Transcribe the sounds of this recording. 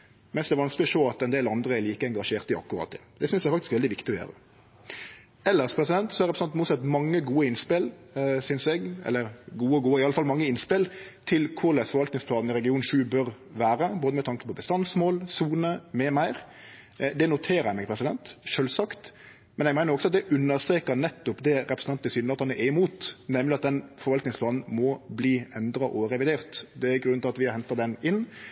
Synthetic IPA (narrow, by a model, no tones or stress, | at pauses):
mɛnsd̪ɛʋɑnsklɪɔʂoːɑt̪ɛnd̪eːlɑnd̪ɾəɛɾliːkəɛŋɡɑʂeːʁt̪ɪɑ̰kːʊʁɑ̰ːt̪ʰɪ̰ | d̪ɛsʏnsæɾfɑkt̪ɪskʋɛld̪ɪʋɪkt̪ɪɔjø̰ːɾə̰ | ɛlːəʁspʰɾɛsɪd̪ɛnt̪sɔæɾɛpɾsɑnt̪muːt̪sɛt̪mɑŋːəɡuːəɪnspɪlsʏnsɛɡɛ̰lːəɾɡuːəɡuːəɪɑləfɑlmɑŋːəɪnspɪlt̪ʰɪlkʰʊɾlɛsfɔɾʋɑlt̪nɪŋspʰlɑːd̪n̩ɪɾɛɡɪuːnʃʉːbœɾ | ʋæːɾəboːd̪əmɛt̪ʰɑŋkə̥pʰɔbəst̪ɑnsmoːlsuːnəmɛmæɪɾ | d̪ɛnʊt̪ʰeːɾəɛmɛɡpʰɾɛsɪd̪ɛnt̪ʃøːlsɑkt̪ | mɛnɛɡmæɪnəɾɔksɔɑt̪̚d̪ɛʔʉnːəɾst̪ɾeːkəɾnɛt̪ːʊpd̪ɛɾɛpɾs̩ɑnt̪əsyːnəɾɑt̪hɑnɛɪɪmuːt̪nɛmlɪɑt̪̚d̪ɛnfɔɾʋɑlt̪nɪŋsplɑːnn̩mɔbliːɛnd̪ɾɑʔɔɾɛʋɪd̪eːʁt̪d̪ɛæɾɡɾʉnɪlɑt̪ʋɪhɛnt̪ɑd̪ɛnɪn